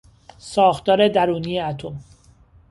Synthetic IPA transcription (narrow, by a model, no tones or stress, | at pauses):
sɒːxt̪ɒːɾed̪æɾuːniːjeæt̪ʰom